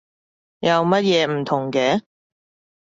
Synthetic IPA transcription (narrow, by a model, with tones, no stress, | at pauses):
jɐ˨˧wmɐ˥t̚jɛː˧m̩˨˩t̪ʰʊ˨˩ŋkɛː˨˧